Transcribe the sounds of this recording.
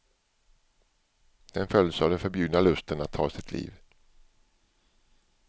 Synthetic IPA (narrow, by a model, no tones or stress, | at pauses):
d̪̥ɛnfœld̪savd̪ɛnfœɾbjʉːd̪nalɵst̪ənat̪ʰːɑ̰ːsɪt̪ʰlʔḭːv